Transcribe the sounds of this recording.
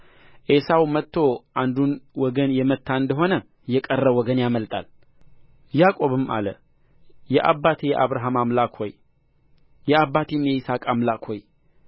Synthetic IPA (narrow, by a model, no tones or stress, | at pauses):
ʔesawmət̪ʰːo̞ʔand̪unwɔɡənjɛmət̪ʰːaɨnd̪əɦo̞nə | jɛkʼərːəwɔɡənjaməlt̪ʼa̰l | jakʼo̞βɨmʔa̰lə | jɛʔabːat̪ʰejɛʔaβɾaɦamamlakʰo̰j | jɛabːat̪ʰimjɛɪsakʼamlakʰoj